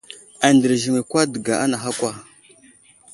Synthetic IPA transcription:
a˨ndə˨ɾʒi˨ŋe˨kʷa˦də˨ɡa˨ʔa˦na˨xa˦kʷa˦˨

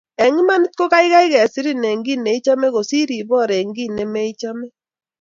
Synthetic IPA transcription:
ɛ˨ŋi˦ma˦ni˦tko˦ka˦i˦ɣa˦i˦ɣɛ˨si˦ɾi˦ne˨ŋɡi˦ne˨i˦t͡ʃa˦me˦ɣo˨si˦ɾi˨βɔ˦˨ɾe˨ŋɡi˦ne˨me˦i˦t͡ʃa˦mɛ˦

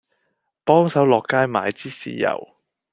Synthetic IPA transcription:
pɔː˥ŋsɐ˨˥wlɔː˨kːaː˥jmaː˨˩jt͡siː˥sḭː˨˩jɐ̰˨˩w

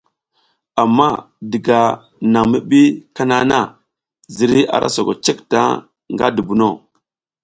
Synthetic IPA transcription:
a˨mːa˦ | di˨ɡa˨ | na˨ŋmi˦ɓi˦ka˦na˦na˦˨ | zi˨ɾi˦a̰˨ɾʔa̰˦so˨ɡo˨t͡ʃe˦kta̰˦ | ŋɡa̰˦du˨bu˨no˦˨

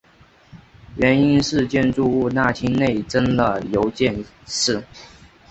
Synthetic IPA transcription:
ɥɛ˧˥ni˥nʂɻ̩˥˧t͡ɕjɛ˥˧nʈ͡ʂu˥˧u˥˧na˥˩t͡ɕʰi˥nne˥˩ɪʈ͡ʂə˥nlə˨jo˧˥ʊt͡ɕjɛ˥˧n | ʂɻ̩˥˩

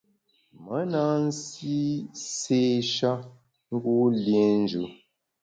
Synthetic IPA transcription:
mə˨˦na˦n̩˦si˦se˦ʃa˦ | ŋ̩˦ɡu˦lje˦n˦d͡ʒʉ˨˦

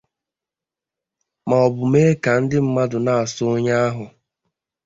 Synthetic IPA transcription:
ma˨ɔ˨bʊ˨me˦ka˨n̩˦dɪ˦m̩˦ma˦dʊ˨na˦a˨sʊ˦ʊ˦ɲa˦a˦ɦʊ˨

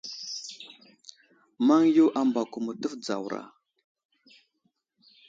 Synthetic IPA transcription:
ma˦ŋju˦ʔa˦mba˨ku˨mu˨tə˦fd͡za˨wɾa̰˨

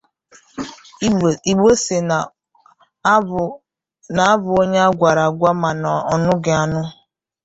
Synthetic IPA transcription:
i˨ɡ͡be˦se˨ | na˨a˦bʊ˨o˦ɲe˦a˦ɡʷa˨ɾa˨ɡʷa˦ma˨nɔ˨ɔ˨nʊ˦ɡɪ˨a˨nʊ˦

